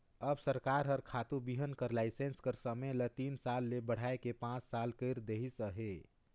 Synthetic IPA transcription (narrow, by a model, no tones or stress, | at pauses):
əbsəɾkaɾɦəɾkʰat̪ubiɦənkəɾlaɪsenskəɾsəmelət̪iːnsalːebəɽ̤aekepãt͡ʃsalkəɪɾd̪eɦisəɦe